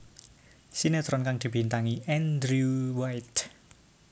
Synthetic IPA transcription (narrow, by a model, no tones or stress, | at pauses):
sinet̪ɾɔnkaŋd̪̥i̤b̥i̤nt̪aŋiʔɛnd̪ɾuwajt̪